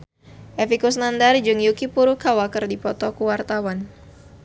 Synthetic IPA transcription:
ʔɛfikus̬nandard͡ʒɨŋjukipuɾukawakərdipɔt̪ɔkuwart̪awan

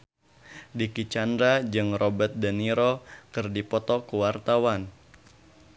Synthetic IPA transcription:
dikit͡ʃandɾad͡ʒɨŋrɔbət̪̚dəniɾɔkɨrdipɔt̪ɔkuwart̪awan

